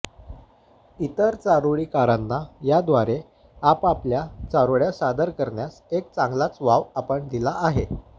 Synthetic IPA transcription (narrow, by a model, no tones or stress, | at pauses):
it̪əɾt͡saɾoɭiːkaɾanːajad̪ʋaɾe | apapljat͡saɾoɭjasad̪əɾkəɾɳjasek̚t͡saŋɡlat͡sʋaʋapəɳd̪ilaːɦe